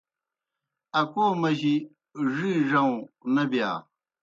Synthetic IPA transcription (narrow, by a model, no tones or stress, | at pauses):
ɐkoːmɐʑi | ʐiʐɐw̃nɐbja̰ː